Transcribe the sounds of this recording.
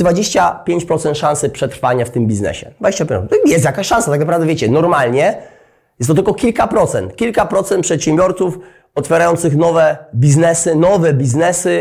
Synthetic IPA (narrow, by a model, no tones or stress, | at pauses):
d̪vad͡ʑeɕt͡ɕapʲjeɲt͡ɕpɾɔt̪sɛnt̪ʂãñsɘpʂɛt̪ɾfaɲaft̪ɘmbʲiznɛ̰ɕɛ̰d̪vad͡ʑeɕt͡ɕapʲɔɛjɛst̪jakaɕʂãñsat̪aknapɾavd̪ɛvʲjet͡ɕɛnɔɾmalɲɛ | jɛst̪ːɔt̪ɘlkɔkʲilkapɾɔt̪sɛnt̪kʲilkapɾɔt̪sɛnt̪pʂɛt̪ɕɛmbʲjɔɾt̪suf | ɔt̪fʲjɛɾajɔnt̪sɘxnɔvɛbʲiznɛsɘnɔvɛbʲiznɛsɘ